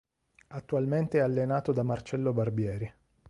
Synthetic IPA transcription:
at̪ːualment̪eɛalːenaːt̪od̪amart͡ʃɛlːobarbjɛːɾi

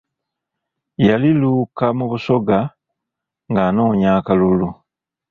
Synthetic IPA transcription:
jalilukamuβuso̞ɡa | ŋɡano̞ːɲaːkalulu

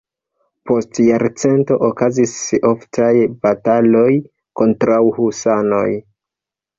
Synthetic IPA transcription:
po̞stjaɾt͡se̞nto̞ʔokazisoftʰajbatalo̞j | ko̞ntɾawhusano̰j

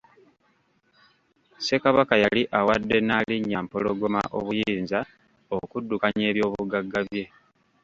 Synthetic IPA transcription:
se̞kaβakajaliʔawadːe̞naːliɲːampo̞lo̞ɡo̞ma̰ʔo̞̰βujiːnza | okudːukaɲe̞ːβjo̞ːβuɡaɡːaβje̞

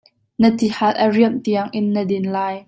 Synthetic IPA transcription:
nət̪ihat̪̚ʔəriəmt̪iəŋʔɪnːədinlaːj

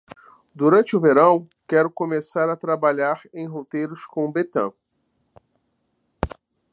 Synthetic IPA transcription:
d̪uɾɐ̃nt͡ʃɪʊveɾɐ̃w̃ | kɛɾʊkomesaɾɐt̪ɾabaʎaɾẽj̃ɦot̪ejɾʊskõbet̪ɐ̰̃

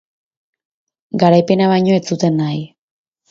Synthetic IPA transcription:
ɡaɾajpe̞naβajɲo̞et͡sut̪e̞nːaj

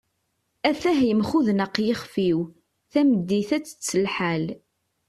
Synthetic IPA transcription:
æθæɦjəmχuðnəqjəχfiw | θæmd̪ːiθæt͡sːə̥t͡sːəlħal

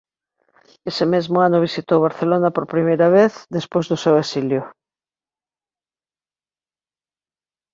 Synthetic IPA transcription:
esemezmʊanʊβ̞isit̪owβaɾθelonapoɾpɾimejɾaβ̞eθðespojzðʊsewesiljʊ

